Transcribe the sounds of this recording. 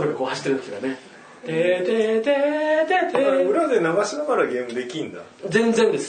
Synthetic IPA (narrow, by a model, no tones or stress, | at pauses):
ɾokako̞ːhaɕi̥t̪ːeɾɯ̟̃esɡane | t̪et̪et̪et̪eeoɾead̪enaɡaɕinakaɾaɡẽmɯd̪e̞kʲĩnd̪a | d͡zẽ̞nd͡zẽ̞nd̪e̞sɨ̥